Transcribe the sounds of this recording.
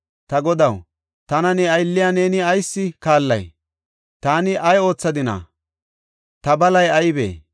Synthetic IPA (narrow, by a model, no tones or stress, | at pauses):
t̪ɐɡɔd̪ɐw | t̪ɐnɐnɛɐjlːɪjaːne̞ːnɪɐjsːɪkaːlːɐ̰j | t̪aːnɪʔɐjo̞ːt͡sːɐd̪ɪna̰ | t̪ɐbɐlɐjɐjbḛː